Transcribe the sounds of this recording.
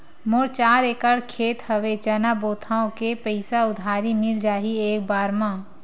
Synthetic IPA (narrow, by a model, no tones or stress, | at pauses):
moɾt͡ʃaːɾeːkəɽkʰeːt̪həʋet͡ʃɐnaboːt̪ʰaːõkepəɪsaʊd̪ʱaːɾimɪld͡ʒaːɦieːk̚baːɾmã